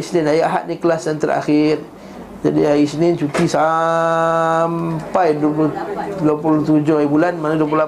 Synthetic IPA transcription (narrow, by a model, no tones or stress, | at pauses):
isnɪnajaʔaɦa̰ʔ̚nikəlasdant̪əɾa̰xɪr | d͡ʒa̰diaisnɪnt͡ʃuk̪isa | mpajdpudopult̪ud͡ʒʊhaibulanmanadupula